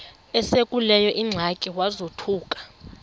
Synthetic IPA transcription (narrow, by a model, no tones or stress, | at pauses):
ɛsekʼulɛjɔʔiŋ͡ǀʱakʼiwazotʰuːkʼḁ